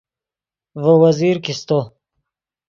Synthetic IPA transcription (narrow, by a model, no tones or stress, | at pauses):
vəwaziɾkist̪o